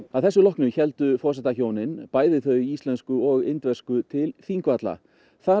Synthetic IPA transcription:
aðθɛsːʏlɔhknʏçɛlt̪ʏfɔrsɛt̪açoːwnɪnpaːjðɪθœɥjist̪lɛnskʏɔɣɪnt̪vɛrskʏt̪ʰɪlθiːŋkvat̪la̰ | θa

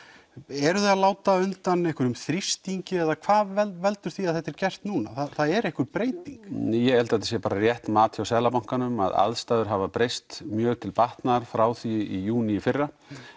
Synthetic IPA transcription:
ɛɾʏðealaːwt̪aʏnt̪anejhkvʏɾʏmθɾist̪iɲcɪɛðakʰvaːðɛvɛlt̪ʏɾ̥θiaðθɛht̪ːɛɾcɛr̥t̪nuːnaθaðθaðɛɾɛhkʏɾpɾeːjt̪iŋkjɛɣɛlt̪at̪ɪ̥s̬jɛpaːɾarjɛht̪maːt̪ʰjawsɛːlapawŋ̥kanʏma̰ða̰ðst̪aːðʏɾ̥ɦavapɾejst̪mjœːɣt̪ʰɪlpaht̪naɾ̥fɾaːwθiijuːniɪfɪrːa

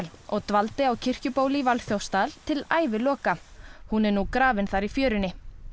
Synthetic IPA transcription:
lɔɣt̪valt̪ɪawcʰɪr̥cʏpoːwlivalθjowst̪al̥t̪ʰɪla̰ːjvɪlɔːkahunɛɾnukɾaːvɪnθaɾifjœːɾʏnɪ

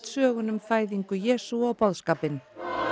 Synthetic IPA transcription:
t̪sœːɣʏnʏmfaːjðiŋkʏjɛːsuawpawðskaːpɪn

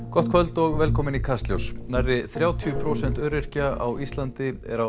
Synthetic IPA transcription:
kɔht̪kʰvœlt̪ɔɣvɛlkʰɔːmɪnikʰast̪ljowsnajɾɪθɾjaːwt̪ʰiʏpʰɾoːsɛn̥t̪œːɾɪr̥caawist̪lant̪ɪɛ̰ɾa

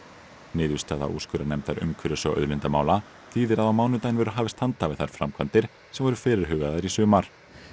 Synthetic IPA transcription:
nɪːðvɪst̪aːða̰ʔṵːskʏɾanɛmt̪θaɾʏ̰mkʰʏɾʏsɔʔœ̰ðlɪnt̪amaːwla | θiːðɪɾaðawmaːwnʏt̪ajnvɛːɾʏɦaːvɪst̪hant̪avɪðθaɾ̥fɾamkʰvant̪ɪɾ̥ | sɛmvɛɾʏ̥fɪːɾɪɾ̥ɦʏːɣaðaɾisʏːmaɾ̥

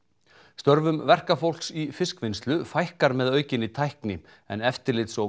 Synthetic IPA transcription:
st̪œɾvʏmvɛr̥kafowl̥ksifɪskvɪnst̪lʏfajhkaɾmɛðœːɥcɪnit̪ʰajhknɪ | ɛ̰nɛft̪ɪɾlɪːt̪so

